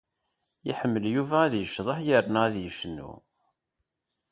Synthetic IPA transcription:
jiħəmːəljuvæːðjəʃðˤəħjəɾnæðjəʃnːṵ

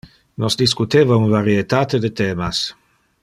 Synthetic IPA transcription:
nɔsd̪iskut̪eːvaunvaɾiet̪aːt̪ed̪et̪ɛːmas

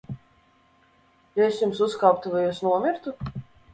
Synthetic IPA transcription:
jaesjumsuskawp̚t̪uvajusnuɔmʲiɾt̪u

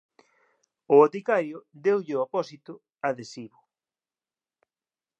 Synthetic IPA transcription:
ʊot̪ikaɾjʊðewʎɪoapɔsit̪ʊ | aðesiβʊ

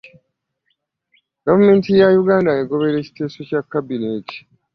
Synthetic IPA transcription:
ɡ̥avume̞ːntijajuɡaːndaeɡo̞βe̞ɾe̞ːci̥te̞ːso̞cakːabine̞ːti̥

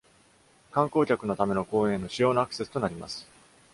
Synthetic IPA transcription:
kãŋko̞ːkʲakɯ̟no̞t̪ame̞no̞ko̞ːẽnːo̞ɕijo̞ːnaakɯ̟̥se̞sɨ̥t̪o̞naɾʲima̰sɨ̥

